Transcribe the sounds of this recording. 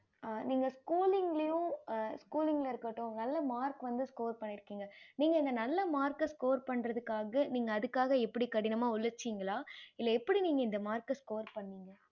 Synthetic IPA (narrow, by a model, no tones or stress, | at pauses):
niːŋɡɐskuːlɪŋɡɭɐjʊ̃skuːlɪŋɡɐlɐɪɾɯkːɐʈːʊ̃nɐlːɐmaːɾkʋɐnd̪ɯskoːɾpɐɳːɪɾɯkːiːŋɡɐniːŋɡɐɪnd̪ɐnɐlːɐmaːɾkɐskoːɾpɐɳɾɐðɯkːaːɣɐniːŋɡɐːðɯkːaːɣɐɛpːɐɽikɐɽɪnɐmaːʊlːɐɾt͡ʃːiːŋɡɐɭaːɪlːɐɛpːɐɽiniːŋɡɐɪnd̪ɐmaːɾkɐskoːɾpɐɳːiːŋɡɐ